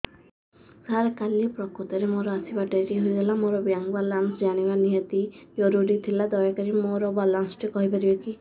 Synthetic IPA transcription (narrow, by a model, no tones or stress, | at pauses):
saɾkalipɾɔkot̪ɔɾemoɾɔasibaʈaɾiɦoiɡ̪elamoɾɔbjaŋɡbalansd͡ʒaɽ̃ibaniɦet̪id͡ʒɔɾuɾit̪ʰilad̪ɔjɔkaɾimoɾɔbalansʈikɔɦipaɾibeki